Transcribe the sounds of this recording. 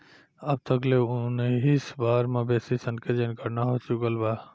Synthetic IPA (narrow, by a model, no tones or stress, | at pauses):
əb̚t̪ʰəkleʊnɦisbaːɾmãbeːsisənked͡ʒənkəɾnaɦot͡ʃukəlba